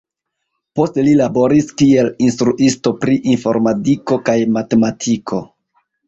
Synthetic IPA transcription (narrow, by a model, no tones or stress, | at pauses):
po̞stelilabo̞ɾiskie̞linstɾuʔisto̞pɾiʔinfo̞̰ɾmatiko̞kajmate̞matʰikʰo̞